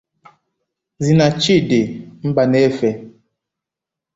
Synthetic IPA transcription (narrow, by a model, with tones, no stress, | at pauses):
zi˨na˨t͡ʃi˦˨de˨m̩˦ba˨nɛ˦fɛ˨